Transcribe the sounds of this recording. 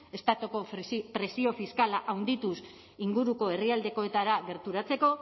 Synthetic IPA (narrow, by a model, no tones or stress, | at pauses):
e̞st̪at̪oko̞pɾe̞sio̞fiskalaʔawnd̪it̪us | iŋɡuɾuko̞e̞riald̪e̞ko̞e̞t̪aɾaɡe̞ɾt̪uɾat͡se̞ko̞